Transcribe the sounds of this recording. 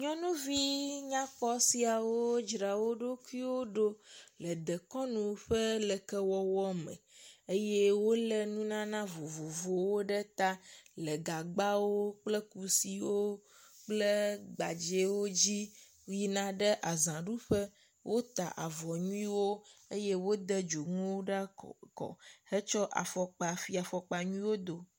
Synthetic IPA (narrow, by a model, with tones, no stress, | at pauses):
ɲɔ̃˦nũ˦vi˦ɲã˦k͡pɔ˦si˦a˨wo˦d͡ʒɾa˨wo˦ɖo˦ku˦i˦wo˦ɖo˦lə˨d̪ɛ˨kɔ˦nũ˨ɸɛ˦lɛ˨kɛ˦wɔ˦wɔ˦mɛ̰̃˨e˦jɛ˦wo˦lɛ˦nũ˦nã˦nã˦vo˨vo˨vo˨wo˦ɖə˦t̪a˦lə˨ɡa˨ɡ͡ba˦wo˦k͡plɛ˦ku˨si˨wo˦ | k͡plə˦ɡ͡ba˨d͡ʒe˨˦wo˦d͡ʑi˦ | i˦nã˦ɖə˦ʔa˨zã˨ɖu˦ɸə˦ | wʔo˦t̪a̰˨ʔa̰˨vɔ˨ɲũ˦ĩ˦wo˦e˦je˦wo˦d̪ɛ˦d͡ʒo˨ŋũ˦wo˦ɖa˦kɔ̰˨he˦t͡ʃɔ˦ʔa̰˨fɔ˨k͡pa˨fi˦a˨fɔ˨k͡pa˨ɲũ˦ĩ˦wo˦d̪o˨